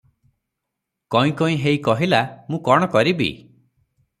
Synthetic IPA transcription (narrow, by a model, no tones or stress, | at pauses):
kɔĩkɔĩɦejkɔɦilamũkɔɽ̃ɔkɔɾibḭ